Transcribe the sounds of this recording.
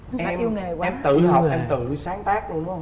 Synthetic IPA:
ʔɛ˨˧mi˧ŋe˨˩kwɛ˧mt̪ɨ̰˧˨hɔ˨˩pʔɛ˧mt̪ɨ̰˧˩˨saː˨˦ŋt̪aː˦˥k̚lu˧ənu˨˦˧ŋ͡m

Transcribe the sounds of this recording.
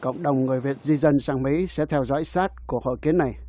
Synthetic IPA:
kə̰˧˨wŋ͡mɗə˨˩wŋ͡mŋɨ˨˩əjvi˨˩ət̚zi˧zə˧nsaː˧ŋmḭ˧˥sɛ̰˧˥t̪ʰɛ˧wzɔ̰˧˥jsaː˦˥t̚ku˧˩əho̰˧˨jki˨˦əna˨˩j

